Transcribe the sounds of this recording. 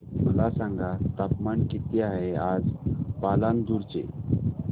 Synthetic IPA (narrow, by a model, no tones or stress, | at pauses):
məlasãŋɡʱat̪apmaɳkit̪iaɦead͡zpaland̪uɾt͡ɕḛ